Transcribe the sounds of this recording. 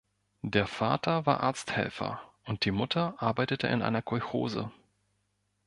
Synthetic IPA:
d̥eːɐfaːtʰɐva̰ːɐʔa̰ɐt͡sthɛ̰lfɐ̰ʔʊnt̚d̥iːmʊtʰɐʔaɐbaɪtətʰəʔɪ̰nʔa̰ɪnɐkʰɔʏxo̰ːzə̰

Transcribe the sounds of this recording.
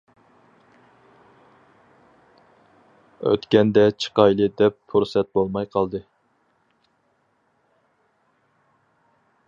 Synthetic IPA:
ø̰t̪kʲɛnd̪ɛt͡ʃʰə̥qɑjlˠɨd̪ɛpfuɾsɛt̪̚bolˠmɑjqʰɑlˠd̪ɨ

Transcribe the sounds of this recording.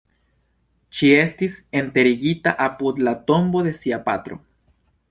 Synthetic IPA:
t͡ʃie̞stise̞nt̪e̞ɾiɡit̪aʔapud̪lat̪o̞mbo̞ðe̞siapa̰t̪ɾo̞̰

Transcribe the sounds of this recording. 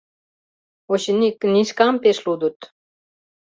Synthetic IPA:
oɕinʲikniʃkampeʃlud̪ut̪

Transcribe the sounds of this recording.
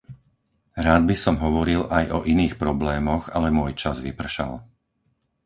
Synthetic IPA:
ɾaːd̪̚bisɔmɦɔʋɔɾilajɔʔiniːxpɾɔblɛːmɔɣalɛmʊɔjt͡ʃazʋipr̩ʃa̰l

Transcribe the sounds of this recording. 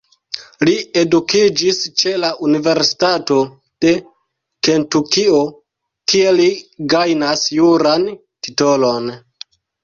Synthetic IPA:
lie̞dukid͡ʒist͡ʃe̞laʔunive̞ɾsi̥tato̞ | d̥e̞ | ke̞ntukio | kie̞liɡajnasjuɾan | ti̥to̞lo̞n

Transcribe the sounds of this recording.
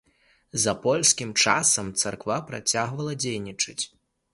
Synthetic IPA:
zɐpɔlʲsʲkʲimt͡ʂa̰sɐmt̪sarkvapɾa̰t͡sʲaɣvɐlˠɐd͡zʲejnʲit͡ʂɨt͡sʲ

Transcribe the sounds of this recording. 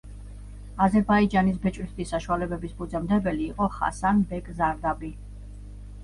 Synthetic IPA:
azɛɾbaid͡ʒanisbɛt͡ʃʼɾist̪ʰisːaʃualɛbɛbisbud̪zɛmd̪ɛbɛliːqʼɔχa̰sanbɛkʼzaɾd̪abi

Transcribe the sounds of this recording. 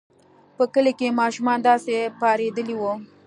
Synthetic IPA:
pəkəlekemɑʃumɑnd̪ɑsepɑɾed̪əliwu

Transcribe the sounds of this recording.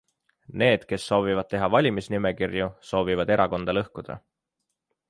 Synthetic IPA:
ne̞ːd̪̥ke̞sːo̞ːvivɑd̪̚t̪eɦɑvɑlʲimisnime̞kirjuso̞ːvivɑd̪e̞ɾʔɑko̞nd̪̥ɑlɤhkud̪̥ɑ̰

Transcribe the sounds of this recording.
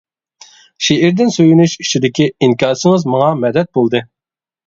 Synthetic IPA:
ʃeʔɪɾd̪ɪnsøjynyʃit͡ʃʰid̪ɪkʲiiŋkʲɑːsɨŋɨzmɑŋɑmɛd̪ɛt̪̚bolˠd̪ɨ

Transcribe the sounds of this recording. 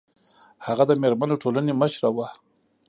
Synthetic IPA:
haɣad̪əmeɾmanoʈʰolaneməʃɾawa

